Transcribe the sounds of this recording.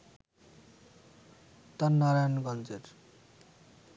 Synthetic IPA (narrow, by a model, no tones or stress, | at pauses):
t̪anːaɾajnɡʌnd͡zeɾ